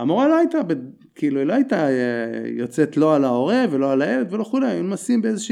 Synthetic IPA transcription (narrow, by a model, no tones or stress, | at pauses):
amoʁaloajt̪abe | kʰiiluiloait̪a | jo̞t͡se̞t̪lo̞alao̞ʁevelo̞alaeled̪ve̞lo̞xulejaulumasimbeezeʃi